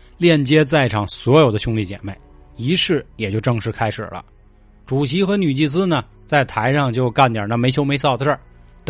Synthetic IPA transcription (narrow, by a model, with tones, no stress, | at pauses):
ljɛ˥˩nt͡ɕjɛ˥t͡sa˥˩ɪʈ͡ʂʰɑ˨˩ŋswɔ˧˥jo˨˩ʊd̪ə˦ɕjʊ˥ŋli˥˩t͡ɕjɛ̰˨˩me˥˩ɪ | i˧˥ʂɻ̩˥˩jɛ˨˩t͡ɕjo˥˧ʊʈ͡ʂɤ˥˧ŋʂɻ̩˥˩kʰa˥ɪʂɻ̩̰˨˩lə̰˦ | ʈ͡ʂu˨˩ɕi˧˥xɤ˧˥ny˨˩t͡ɕi˥˩s̬ɹ̩˥nə˨ | t͡sa˥˩ɪt̪ʰa˧˥ɪʂɑ˥˧ŋt͡ɕjo˥˧ʊka˥˩nt̪ja̰˨˩na˥˩me˧˥t͡ɕʰjo˥ʊme˧˥ɪsɑ˥˩ʊd̪ə˧˩ʈ͡ʂə˞˥˩ | t̪